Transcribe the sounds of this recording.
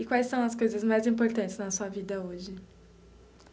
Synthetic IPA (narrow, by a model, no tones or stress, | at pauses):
ɪkwajsːɐ̃w̃ɐskojzɐzmajzĩmpoɾt̪ɐ̃nt͡ʃɪznɐsuɐvid̪ɐoʒɪ